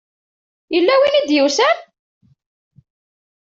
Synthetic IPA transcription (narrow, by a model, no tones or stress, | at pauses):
jəlːæwinid̪jəwsæn